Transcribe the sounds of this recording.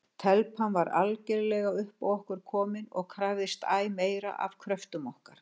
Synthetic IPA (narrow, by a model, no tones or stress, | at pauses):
t̪ʰɛlpʰanvaɾalcɛɾlɛɣaʏhpawɔhkʏɾ̥kʰɔːmɪnɔɣkʰɾaːvðɪst̪aːjmeːjɾa̰ʔa̰v̥kʰɾœft̪ʏmɔhkaɾ̥